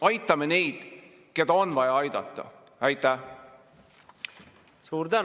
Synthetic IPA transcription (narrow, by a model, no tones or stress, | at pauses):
ɑjt̪ːˑɑmene̞jd̪̥ | ke̞d̪̥ɑonvɑjɑɑjd̪̥ɑ̰t̪ˑːɑ̰ | æjt̪ːˑæ | suːɾd̪æ